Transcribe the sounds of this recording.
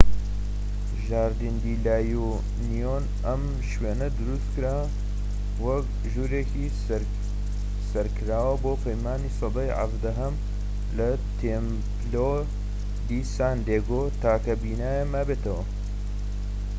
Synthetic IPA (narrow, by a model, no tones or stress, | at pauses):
ʒaːɾd̪ind̪iːlaːju | nijon | ɐm | ʃweːnɐd̪ɨɾust̪kɨɾaː | wɐk̚ | ʒuːɾeːki | sɐɾkɨɾaːwɐboːpʰɐjmaːniːsɨd̪ɑjʕa̰vd̪ɐɦɐm | lɐ | t̪ʰem | plo | d̪iːsaːnd̪eːɡot̪aːkɐbiːnaːjemaːbeːt̪ɐwɐ